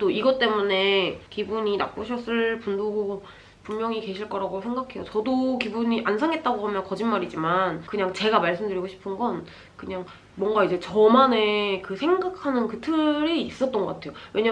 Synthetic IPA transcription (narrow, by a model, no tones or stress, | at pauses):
t͈oiɡʌt͈e̞mune̞kibuɲina̰p͈̚oɕʰʌs͈ɯɭpundoɡo | pummjʌŋike̞ɕʰiɭk͈ʌɾaɡosʰeŋɡakʰe̞jot͡ɕʌdokibuɲiʔansʰaŋe̞t̚t͈aɡoɦamjʌnkʌd͡ʑinmaɾid͡ʑimankɯɲaŋt͡ɕe̞ɡamaɭs͈ɯmdɯɾiɡoɕʰi̥pʰɯnɡʌn | kɯɲaŋ | mwʌŋɡaid͡ʑe̞t͡ɕʌmane̞kɯsʰe̞ŋɡakʰanɯnkɯtʰɯɾeis͈ʌt͈̚ʌnɡʌk͈atʰe̞jowʔe̞ɲa